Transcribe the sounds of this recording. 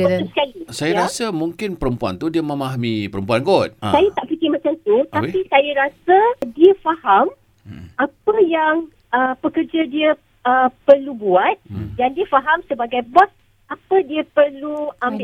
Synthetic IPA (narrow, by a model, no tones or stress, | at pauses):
skalisajaɾasamũŋkɪnpəɾəmpua̰nt̪udiəmə̃maɦamipəɾəmpuanɡɔt̪̚sajat̪aʔpikɪmãt͡ʃamt̪ut̪apisajaɾasadiəfaham | ʔapəjaŋ | əpəkərd͡ʒadiə | əpərlubuat̪̚dandiəfaɦamsəbaɡajbɔs | apədiəpərluʔambbɪ